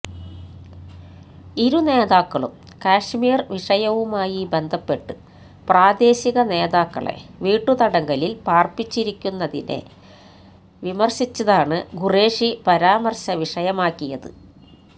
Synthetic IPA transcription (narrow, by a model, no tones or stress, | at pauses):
iɾune̞ːðaːkːɐɭṵm | kaːʂmiːrʋiʂɐjɐʋumaːjibe̞nd̪ʱɐpːe̞ʈːɨ | praːd̪e̞ːɕiɣɐne̞ːðaːkːɐ̰ɭe̞̰ʋiːʈːut̪ɐɽɐŋɡɐlilpaːrpit͡ɕːiɾikʲːunːɐðḭne̞̰ | ʋimɐrɕit͡ɕːɐðaːɳɨɡure̞ːʂipɐɾaːmɐrɕɐʋiʂɐjɐmaːkːijɐðɨ̰